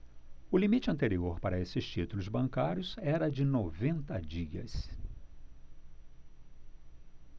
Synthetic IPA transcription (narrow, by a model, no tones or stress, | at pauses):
ʊlimit͡ʃɪɐ̃nt̪eɾioɾpaɾɐesɪst͡ʃit̪ulʊzbɐ̃ŋkaɾjʊzɛɾɐd͡ʒɪnovẽnt̪ɐd͡ʒiɐ̰s